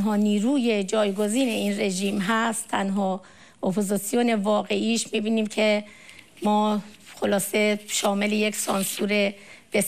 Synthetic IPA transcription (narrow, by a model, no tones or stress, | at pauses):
ɦɒːniːɾuːje̞d͡ʒɒːjɡo̞ziːne̞iːnre̞ʒiːmɦæst̪ʰːænɦɒː | ʔopʰozisijone̞vɒːɣe̞ʔiːʃmibiːniːmcʰe | mɒːxolɒːse̞ʃɒːme̞lejeksɒːnsuːɾe̞b̥e